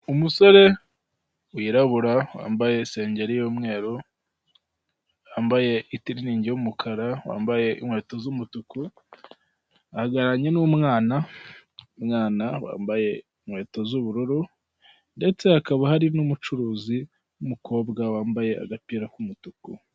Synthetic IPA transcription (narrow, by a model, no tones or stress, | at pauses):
umuso̞ɾe̞ | wiɾaβuɾawa̰ːmbaje̞se̞ːɲɟe̞ɾijoːmŋe̞ːɾo | waːmbaje̞itiɾiniːɲɟejumukʰaɾawa̰ːmbaje̞ʔimwe̞ːto̞zumutuku | ahaɡaɾaɲe̞numŋaːna | mŋaːnawa̰ːmbaje̞iŋwe̞ːto̞zuβuɾuɾu | nde̞t͡se̞hakaβahaɾinumut͡ʃuɾuːzi | numukʰo̞ːbɡawaːmbaje̞a̰ɡapiːɾakumutuku